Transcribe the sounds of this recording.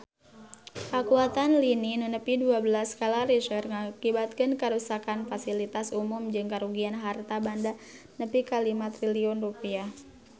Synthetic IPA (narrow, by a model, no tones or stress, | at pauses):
kakuat̪anlininunəpiduabəlaskalaɾiʃərŋakibat̪̚kɨnkəɾusakanfasilit̪asumumd͡ʒɨŋkaɾuɡianɦart̪abanda | nəpikalimat̪ɾiliɔnrupiah